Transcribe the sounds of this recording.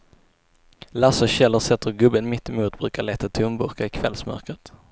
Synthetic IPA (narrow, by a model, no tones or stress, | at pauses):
lasəɕɛlːəɾsɛt̪ʰːəɾɡɵbənmɪt̪ːɪmuːt̪bɾʉ̟ːkaɭɛːt̪at̪ʰɵmbɵɾkaɪkʰvɛlsmœ̰ɾkɾət̪